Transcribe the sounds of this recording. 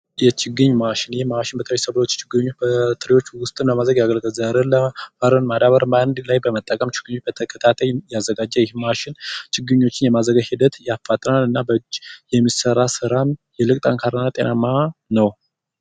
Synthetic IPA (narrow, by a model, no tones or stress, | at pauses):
jɛt͡ʃʰɪɡɨɲːmaʃɪnjɪhmaʃɪnbət̪əɾisəβot͡ʃːt͡ʃʰɪɡɨɲːot͡ʃːbət̪ʰɨɾiwo̞t͡ʃːwʊst̪ʼɨmləmad̪ɾəɡjaɡəlɡəlzəɾɨləfəɾənmad̪aβəɾmand̪lajbəmət̪ʼːəkʼəmt͡ʃɪ̥ɡ̥ɨɲːot͡ʃb̥ət̪ʰəkʰət̪ʰat̪ʰajjazːəɡad͡ʒːəjɪhmaʃɪnt͡ʃʰɪɡɨɲːo̞t͡ʃːɪnjɛmazəɡahid̪ət̪jafːat̪ʼənalɨnːabəd͡ʒjɛmːisəɾasɨɾamjɛlɨkʼt̪ʼaŋkʰaɾənat̪ʼḛnamanəw